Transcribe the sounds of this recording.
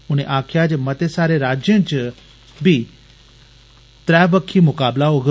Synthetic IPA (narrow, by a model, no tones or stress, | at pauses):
ʊñeʔaːkʰjaːd͡ʒmɐt̪esaːɾeɾaːd͡ʒjə̃t͡ʃ | bʱi | t̪ɾɛːʋəkʰːimʊkaːblaɦoɡ